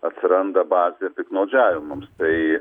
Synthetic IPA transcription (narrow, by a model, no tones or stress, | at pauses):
ɐt̪ʲsʲɪɾɐnd̪ɐbɑːzʲepʲɪknɐʊd͡ʒʲæːʋʲɪmɐmst̪ɐɪ